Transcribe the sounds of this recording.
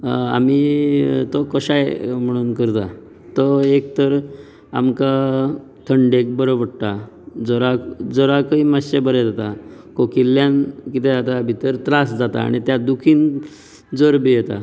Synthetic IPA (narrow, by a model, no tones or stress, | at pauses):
a̰mit̪ɔkəɕajm̤əɽ̃uːnkəɾt̪a̰ | t̪ɔek̚t̪əɾ | a̰mka | t̪ʰəɳɖek̚bəɾobəɽt̪a | d͡zɔɾad͡zɔɽakəiːmaɕebəɾed͡zat̪a | kokilːjankit̪ed͡zat̪abʱit̪əɾt̪ɾasd͡zat̪a̰ːɽ̃it̪jad̪ukʰiːn | d͡zəɾbijet̪a̰